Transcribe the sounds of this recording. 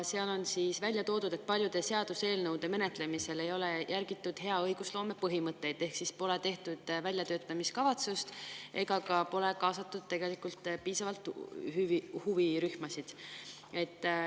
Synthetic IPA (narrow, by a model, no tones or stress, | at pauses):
se̞ɑlo̞nsiːsvælʲjɑt̪o̞ːd̪ud̪̥e̞t̪̚pɑlʲjud̪̥e̞se̞ɑd̪̥use̞ːlnɤwd̪̥e̞me̞ne̞t̪le̞mise̞le̞jo̞le̞jʔærɡ̥it̪ːˑud̪̥ɦe̞ɑɤjɡ̥uslo̞ːme̞pɤɦimɤt̪ːˑe̞jd̪̥e̞hksispo̞le̞t̪e̞ht̪ud̪̥vælʲjɑt̪ø̞ːt̪ːˑɑmiskɑvɑt̪sust̪ʔe̞ɡ̥ɑkɑpo̞le̞kɑːsɑt̪ːˑud̪̥̚t̪e̞ɡ̥e̞likˑult̪piːsɑvɑlt̪hyvihuviɾyhmɑsid̪̥ | e̞t̪ː